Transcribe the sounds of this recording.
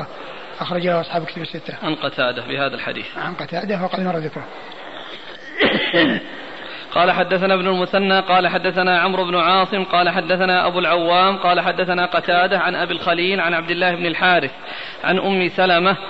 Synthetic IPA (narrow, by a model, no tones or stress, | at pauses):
ʔɑxɾˤɑd͡ʒaʔɑsˤħaːbkɪt̪abɪsːɪt̪ːaʕanqɑt̪ʰaːd̪abɪhaːðalħa̰d̪ḭːθʕanqɑt̪aːd̪awɑqɑd̪mɑrˤːɑðɪkɾ | qɑːlaħad̪ːaθanaːbnʊlmʊθanːaːqɑːlaħad̪ːaθanaːʕamɾʊbnʊʕɑːsˤɨmqɑːlaħad̪ːaθanaːʔabuːlʕawːaːmqɑːlaħad̪ːaθanaːqɑt̪aːd̪aʕanʔabilxaliːlʕanʕab̚d̪ɪlːaːhɪbnɪlħaːɾɪθ | ʕa̰nʔʊmːɪsalama